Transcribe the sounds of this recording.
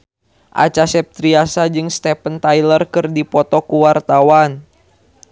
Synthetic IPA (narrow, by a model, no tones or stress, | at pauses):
ʔa̰t͡ʃasɛp̚t̪ɾiasad͡ʒɨŋst̪ɛpənt̪ajlərkɨrdipɔt̪ɔkuwart̪awan